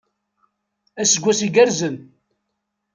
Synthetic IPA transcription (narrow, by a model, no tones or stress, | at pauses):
æsəɡʷːæsiɡæɾzən